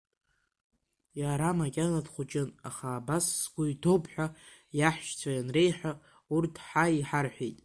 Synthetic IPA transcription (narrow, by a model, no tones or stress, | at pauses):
jaɾamakʲʼanadχʷut͡ʃʼɪnaχaːbasːɡʷʊitʰopʰʼħᶣajaħʃt͡sʷʰajanre̞jħʷᶣa | urtʰħaiħarħʷᶣejtʼ